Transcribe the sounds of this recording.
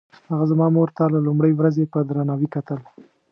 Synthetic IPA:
haɣazamɑmoɾt̪alalʊmɽəjwɾazepəd̪ɾanɑwikat̪əl

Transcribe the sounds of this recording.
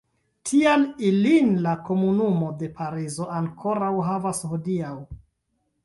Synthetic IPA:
tʰialilinlako̞munumo̞de̞pʰaɾizo̞ʔaŋkʰo̞ɾawɦavashodiaw

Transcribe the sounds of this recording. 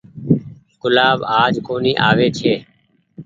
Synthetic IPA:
kʊlaːbaːd͡ʒkoːniːʔaːʋeːt͡ʃʰeː

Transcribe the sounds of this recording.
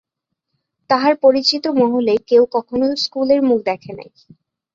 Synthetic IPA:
t̪aɦaɾpoɾit͡ɕit̪omɔɦolekewkɔkʰonoskuleɾmuk̚ʰd̪ɛkʰena̰j

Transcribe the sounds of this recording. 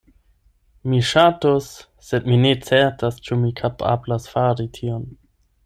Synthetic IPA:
miʃatosː | e̞dmine̞t͡seɾtʰast͡ʃumikʰapʰa̰blasfaɾitʰion

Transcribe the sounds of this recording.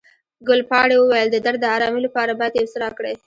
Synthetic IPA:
ɡʊlpɑɽewəwajəld̪əd̪aɾəɑɾɑmilapɑɾabajd̪jewsɾɑkɽej

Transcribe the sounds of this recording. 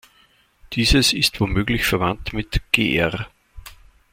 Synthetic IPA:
d̥iːzəsɪstv̥oːmøːɡlɪçfɛɐvantmɪtɡ̥ḛːʔɛʁ

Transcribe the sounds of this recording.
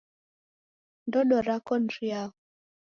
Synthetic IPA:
ndɔnɔɾakɔnɾiaɣɔ

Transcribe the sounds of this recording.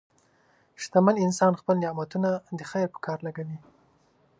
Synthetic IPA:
ʃt̪amalɪnsɑnxpəlnɪmat̪unad̪əxajɾpə̥kʰɑɾlaɡawi

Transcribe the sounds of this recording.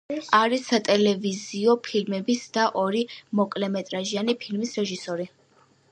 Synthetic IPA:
aɾisat̪ʼɛlɛviziɔpʰilmɛbisd̪̥aʔɔɾimɔkʼlɛmɛt̪ʼɾaʒianipʰilmisɾɛʒisɔɾi

